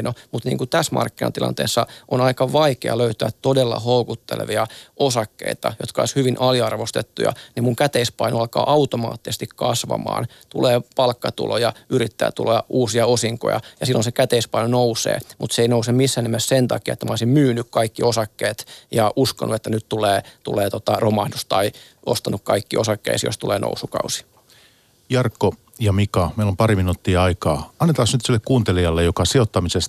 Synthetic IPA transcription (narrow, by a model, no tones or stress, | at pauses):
nomut̪nḭːŋkut̪æsmɑ̰rkːinɑnt̪ilɑ̰nt̪ḛːsːɑʔonɑikɑʋɑikeɑ̰løyt̪æːt̪t̪odelːɑ̰houkut̪ːḛlḛʋiɑʔosɑkːḛit̪ɑ̰jot̪kɑo̰ishyʋinʔɑliɑrʋost̪et̪ːujɑ̰nimuŋkæt̪eispɑinoɑlkɑ̰ːʔɑut̪omɑ̰ːt̪ːisest̪ikkɑsʋɑ̰mɑ̰ːn | t̪ṵleːpɑlkːɑt̪ṵlojɑyɾit̪ːæ̰ːt̪ulojɑʔuːsiɑosiŋko̰jɑ̰jɑsilːonsekæt̪eispɑinonousḛːmut̪seeinousemmisːæːnemæssent̪ɑ̰kiɑet̪ːæmæo̰isimmyːnykkɑikːiosɑkːeːt̪jɑʔusko̰nuet̪ːænyt̪t̪uleːt̪ṵleːt̪ot̪ɑromɑhdust̪ɑi | ost̪ɑnukkɑikːiʔosɑkːḛisjo̰st̪ulḛːnʔo̰usukɑ̰usi̥ | jɑrkːo | jɑmikɑmeilompɑɾiminuːt̪ːiːɑikɑːɑnːet̪ɑsnyt̪silːekkuːnt̪eliɑlːejokɑsiot̪ːɑmisest̪